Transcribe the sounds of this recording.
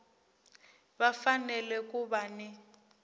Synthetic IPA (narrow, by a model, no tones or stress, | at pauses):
bafanɛlɛk̬ʼuβanɪ